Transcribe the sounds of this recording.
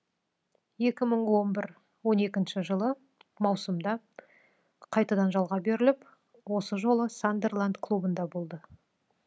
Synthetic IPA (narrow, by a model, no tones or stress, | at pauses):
je̞kʲɪməɴwo̞nbɪɾ | wo̞ne̞kʲɪnʃɪʒəlˠə | mɑwsəmd̪ɑ | qʰɑjt̪ɑd̪ɑnʒɑlˠʁɑbe̞ɾɪlɪp | wo̞səʒo̞lˠəsand̪e̞rlˠand̪kʰlˠubənd̪ɑbo̞lˠd̪ə